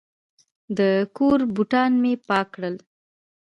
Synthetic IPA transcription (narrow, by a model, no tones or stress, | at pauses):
d̪əkoɾbuʈɑnmepɑkɽəl